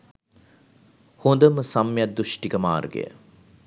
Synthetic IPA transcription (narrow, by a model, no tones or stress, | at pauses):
hond̪əməsɐmːjad̪ːuʃʈikəma̰ːrɡḛjə̰